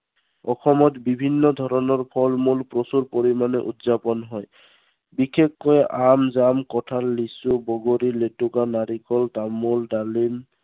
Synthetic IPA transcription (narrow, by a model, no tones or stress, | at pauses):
ɔxɔmɔtbibʱinːɔd̪ʱɔɹɔnɔɹpʰɔlmulpɹosuɹpoɹimanɛʔutzapɔnɦɔj | bikʰekːɔjʔamzamkɔtʰalːisubɔɡoɾiletukanaɾikɔltamuldalim